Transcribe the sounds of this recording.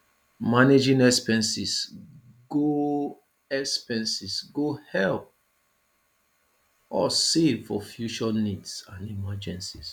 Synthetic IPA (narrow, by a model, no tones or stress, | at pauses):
maned͡ʒĩnɛkspɛ̃nsis | ɡo | ɛkspɛ̃nsisɡohɛlp̚ | ɔsevfɔfjut͡ʃɔnidsãnimad͡ʒɛ̃nsis